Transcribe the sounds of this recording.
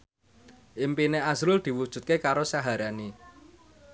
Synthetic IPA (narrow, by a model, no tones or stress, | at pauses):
ʔimpineasɾʊld̪̥i̤wud̥ʒ̥ṳt̪̚kekaɾosaɦaɾani